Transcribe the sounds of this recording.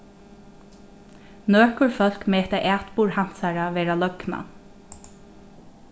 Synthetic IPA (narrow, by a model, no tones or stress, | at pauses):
nøːkʊɹfœl̥kmɛːt̪aʔæːt̪puːɹham̥t̪saɹaʋɛːɹalœkna̰